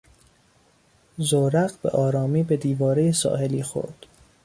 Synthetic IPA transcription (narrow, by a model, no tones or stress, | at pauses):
zoɾæɣbḛʔɒːɾɒːmiːbe̞d̪iːvɒːɾejesɒ̰ːhe̞liːxo̰ɾd̪̥